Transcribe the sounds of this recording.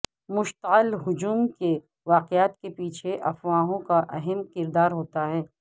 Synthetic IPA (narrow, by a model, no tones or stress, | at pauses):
mʊʃt̪əɪlɦʊd͡ʒuːmke | ʋaːqjaːt̪kepiːt͡ʃʰeʔɐfwãːɦõkaʔɐɦɛmkɪɾd̪aːɾɦoːt̪aɦɛː